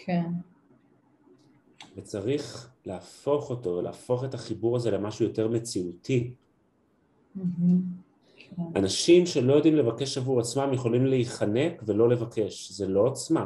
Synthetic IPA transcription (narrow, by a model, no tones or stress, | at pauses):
kʰen | vet͡saʁiχlaːfo̞χo̞to̞velʔa̰ːfo̞χe̞taχibuʁaze̞le̞maʃujo̞te̞ʁme̞t͡siutʰi | m̩ | anaʃimʃe̞lo̞jo̞dimle̞vake̞ʃavuʁat͡smamjeχo̞limleiχane̞kve̞lo̞le̞vake̞ʃzelo̞at͡sma